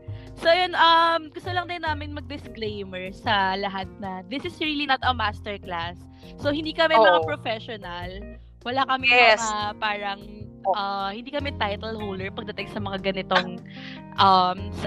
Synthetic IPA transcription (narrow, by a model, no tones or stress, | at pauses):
soʔɐjonʔɐmɡʊst̪ʊlɐŋd̪ɪnːaːmɪnmɐɡ̚d̪ɪsklejmɛɹsɐlɐɦat̪̚nɐd̪ɪsɪsɹilinɐt̪ɐmast̪ɛɹklasː | ohɪnd̪iːkɐmɛmɐŋappɹofɛʃonɐl | wɐlakɐmɛɐapaːɹɐŋ | ʔɐhɪnd̪iːkɐmɛt̪ajt̪ɐlhowld̪ɛɹpɐɡ̚d̪ɐt̪ɪŋsɐmɐŋaɡɐnɪt̪oŋʔɐms